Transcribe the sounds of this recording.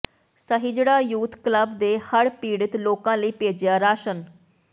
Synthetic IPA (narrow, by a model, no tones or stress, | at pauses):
səɦiːd͡ʒəɽaːjuːt̪kləbd̪eːhəɽpiːɽɪt̪loːkãːləiːpeːd͡ʒɪjaːɾaːʃən